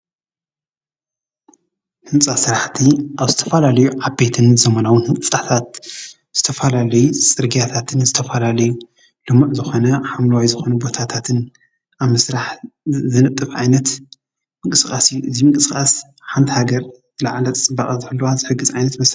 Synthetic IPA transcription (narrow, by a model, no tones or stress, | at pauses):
hɨnt͡sʼasɨɾaħt̪ʰiʔaβzɨt̪ʰɐfɐlalɐjuʕabe̞t̪ʰɨnzɐmɐnawɨnhɨnʼsʼat̪ʰat̪ | z̥ɨt̪ʰɐfɐlalɐjusʼɨɾɡijat̪ʰat̪ʰɨnzɨt̪ʰɐfɐlalɐju | lɨmaʔzɨxo̞nɐħamlɐwajzɨxo̞nɐbo̞t̪ʰat̪ʰat̪ʰɨn | ʔaβmɨsɾaħzɨnɐt̪ʼːɨfʕa̰jnɐt̪ | mɨŋkʼɨskʼasijːuʔɨzimɨŋkʼɨsɨkʼas | ħant̪ʰihaɡɐɾ | zɨlaʕlɐt͡sʼɨbːɐkʼɐzɨħɨlːoazɨħɨɡːɨzʕajnɐt̪mɐs